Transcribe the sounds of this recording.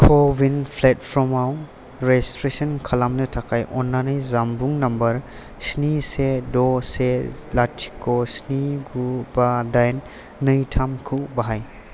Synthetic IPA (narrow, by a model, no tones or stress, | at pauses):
kʰɔbinpʰlet̚pʰɾɔmaw | ɾestɾesɐnkʰalamnɯtʰakʰajʔɔnːanɯjzambuŋnɐmbɐɾ | snisedɔselatʰi̥kːɔsniɡubadajnː | ɯjtʰamkʰubaɦaj